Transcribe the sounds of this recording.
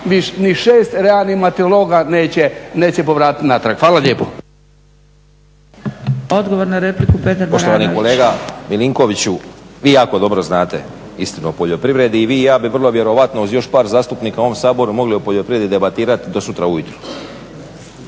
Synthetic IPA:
ʋiʃniʃeːst̪ɾealnimat̪eoloːɡaneːt͡ɕeneːt͡ɕepo̞ʋɾaːt̪i̥t̪nat̪ɾakhfaːlaʎeːpo | od̪ɡoʋoɾnaɾeplikupet̪aɾpot̪oʋaniko̞leːɡamiliŋkoʋit͡ɕuʋiːjaːkod̪o̞bɾo̞znaːt̪e̞ | ist̪inuopoʎo̞pɾiʋɾe̞d̪iːʋiːjaːbiʋər̩lˠo̞ʋje̞ɾo̞ʋat̪nouzjo̞ʃpaːɾzaːst̪upniːkaoomsaːbo̞ɾumo̞ɡliopoʎopɾiʋed̪id̪e̞bat̪iːɾat̪id̪o̞sut̪ɾaujut̪ɾu̥

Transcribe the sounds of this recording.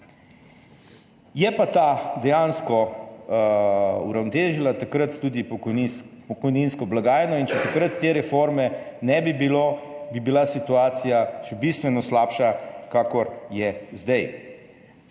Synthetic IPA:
jɛpat̪ad̪ɛjanskɔ | ṵɾawnɔt̪eːʒilat̪akɾət̪ːuːd̪i | pɔkɔjninskɔblaɡaːjɛnɔint͡ʃɛt̪akɾət̪ːeːɾɛfoɾmɛnɛbibilobibilasit̪uaːt̪sijaʃɛbist̪ʋɛnɔslaːpʃakakɔɾjɛzd̪ɛj

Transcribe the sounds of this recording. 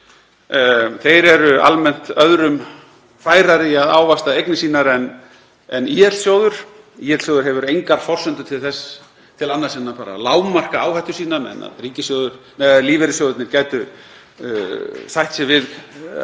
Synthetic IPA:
θejɾɛɾʏa̰lmɛn̥t̪œðɾʏm | faːjɾaɾɪaðaːwvast̪aejknɪsiːnaɾɛn | ɛniːɛt̪l̥sjowðʏɾ̥ | iːjɛt̪sjowðʏɾɦɛvʏɾejŋkaɾfɔr̥sʏnt̪ʏt̪ʰɪlθɛsː | t̪ʰɪlanːasɛnːapaːɾa̰laːwmar̥kaaːwhajht̪ʏ̥siːnamɛ̰na̰ðriːcɪsjowðʏɾ̥mɛðliːvɛɾɪsjowðʏɪt̪nɪɾcaːjt̪ʏ | θajht̪sɪvɪð

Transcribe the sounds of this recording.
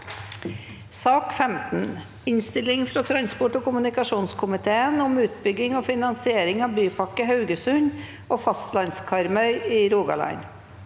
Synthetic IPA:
sɑːkfɛmt̪n̩ | ɪnst̪ɪlɪŋfɾoːt̪ʰɾɑnspɔʈoːkʊmʉnɪkɑʂuːnskʰʊmɪt̪ʰeːənʊmʉːt̪bʏɡːɪŋoːfɪnɑnsɪeːɾɪŋɑːʋbyːpʰɑkːəhɑʉɡəsʉɲ | oːfɑst̪lɑnskʰɑɾmœʏiːɾuːɡɑ̰lɑ̰ɪn

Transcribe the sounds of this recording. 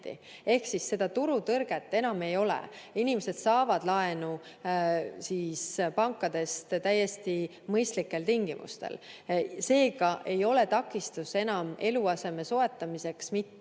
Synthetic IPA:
t̪ḭ | e̞hksisːe̞d̪̥ɑt̪uɾut̪ɤrɡ̥e̞t̪ːe̞nɑme̞jo̞lḛinimese̞d̪̥sɑːvɑd̪̥lɑe̞nu | siːspɑŋkːˑɑd̪e̞st̪t̪æjːe̞st̪i | mɤjst̪likːe̞lt̪iŋɡ̥imʔṵst̪ḛlse̞ːɡɑʔe̞jo̞le̞t̪ɑkːˑist̪use̞nɑme̞luɑse̞me̞so̞e̞t̪ːˑɑmise̞ksmit̪ːe

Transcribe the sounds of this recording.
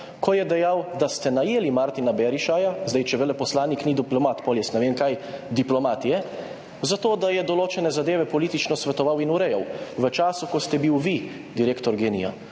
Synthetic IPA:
kʰɔjɛd̪ɛjawd̪ast̪ɛnajeːlimaɾt̪inabɛɾiʃajazd̪ɛjt͡ʃɛbɛlɛpɔslaːniknid̪iplɔmat̪pɔljɛsnɛʋeːnkajd̪iplɔmaːt̪jɛ | zat̪oːd̪ajɛd̪ɔloːt͡ʃɛnɛzad̪eːʋɛpɔliːt̪it͡ʃnɔsʋɛt̪ɔʋawinuɾɛjawʋət͡ʃaːsukɔst̪ɛbiwʋi | d̪iɾeːkt̪ɔɾɡeːnija̰

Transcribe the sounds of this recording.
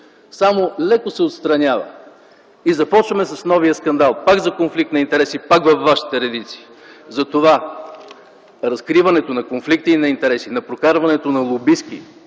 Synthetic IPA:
samolɛkosɛot̪st̪ɾɐnʲavɐ̰ | izɐpɔt͡ʃvɐmɛsɐsnɔvijəskɐnd̪alˠpaɡzɐkonflikt̪nɐint̪ɛɾɛsipakvɐfːaʃi̥t̪ɛɾɛd̪it̪si̥ː | zɐt̪ova | ɾɐskɾivɐnɛt̪onɐkonflik̚t̪iːnɐint̪ɛɾɛsinɐpɾokaɾvɐnɛt̪onɐlˠobiskḭ

